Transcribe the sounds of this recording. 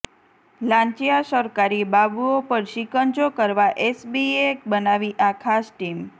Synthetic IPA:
lãɲt͡ʃijasəɾkaɾibabuopəɾʃikənt͡ʃokəɾʋaʔesbiekbənaʋiʔakʰasʈim

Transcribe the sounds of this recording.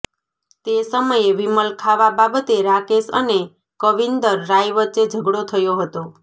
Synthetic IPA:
t̪esəməjeʋiməlkʰaʋababət̪eɾakesə̰ne | kəʋind̪əɾːajʋət͡ʃed͡ʒʱəɡɽot̪ʰəjoɦət̪o

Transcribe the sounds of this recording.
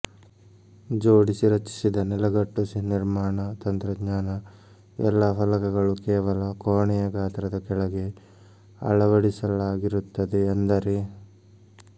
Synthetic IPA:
d͡ʒoːɽisiɾɐt͡ʃi̥sid̪ɐnɛlɐɡɐʈːusiniɾmaːɳɐt̪ɐnt̪ɾɐdɲaːnɐ | ɛ̰lːapɐlɐkɐɡɐɭukɛːʋɐlɐkoːɳɛjɐɡaːt̪ɾɐd̪ɐkɛɭɐɡe̞ | ɐ̰ɭɐʋɐɽisɐlaːɡiɾut̪ːɐd̪eɐnd̪ɐɾe

